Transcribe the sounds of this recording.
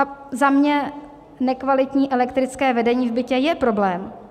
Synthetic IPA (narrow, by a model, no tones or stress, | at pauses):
zamɲɛ | nɛkvalɪt̪ɲiːʔɛlɛkt̪ɾɪt͡skɛːvɛdɛɲiːvbɪcɛjɛpɾo̞blɛːm